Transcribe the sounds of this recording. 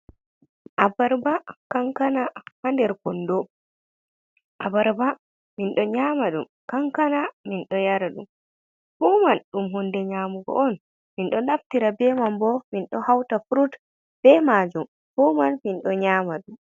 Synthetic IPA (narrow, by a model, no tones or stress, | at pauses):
ʔabaɾbakaŋkanahandɛɾkɔndo | ʔabaɾba | minɗɔɲamaɗum | kaŋkanaminɗɔjaɾaɗum | fɔːmanɗumɦɔndɛɲaːmuɡɔ̰ʔɔn | minɗɔɗaftiɾabɛmambɔminɗɔhawtafuɾut | b̥ɛmad͡ʒum | fɔmanminɗɔɲaːmaɗum